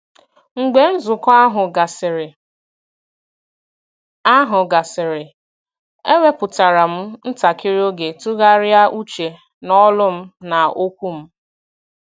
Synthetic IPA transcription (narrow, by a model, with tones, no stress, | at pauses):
ŋ̩˨ɡ͡be˨n̩˦zʊ˨kɔ˦a˦ɦʊ˨ɡa˨sɪ˨ɾɪ˨ | a˦ɦʊ˨ɡa˨sɪ˨ɾɪ˨ | e˦we˦pʊ˨ta˨ɾa˨m̩˦n̩˦ta˨kɪ˦ɾi˦o˦ɡe˨tu˦ɣa˦ɾja˦ʔu˦t͡ʃe˨ | nɔ˦lʊ˦m̩˦na˨o˦kʷu˦m̩˦